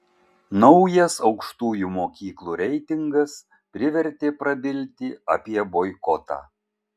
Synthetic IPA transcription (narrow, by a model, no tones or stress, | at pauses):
nɒʊjɛsɒʊkʃt̪uːjuːmoːkʲiːklˠuːɾʲɛɪt̪ʲɪŋɡɐs | pʲɾʲɪʋʲɛɾʲt̪ʲeːpɾɐbʲɪlʲt̪ʲɪɐpʲiɛboɪkɔt̪ɑ̰ː